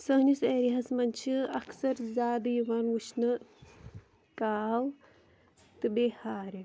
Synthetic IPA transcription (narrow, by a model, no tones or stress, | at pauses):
sɐɦniseːɾiɦɐsmɐnʲt͡ʃʰiɐksɐɾzʲaːd̪ɐjiʋɐːnʋut͡ʃʰnɨ | kaːw | t̪ɨbehaːɾi